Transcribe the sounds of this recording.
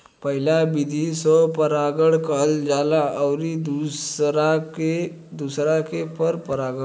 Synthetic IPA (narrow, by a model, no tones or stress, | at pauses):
pəɦilabid̪ʱisɔpəɾaɡəɽkəld͡ʒalaʔəwɾid̪usɾake | d̪usɾakepəɾpəɾaɡə